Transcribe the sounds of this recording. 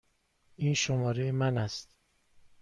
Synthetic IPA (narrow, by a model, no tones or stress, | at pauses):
ʔiːnʃomɒːɾejemænæst̪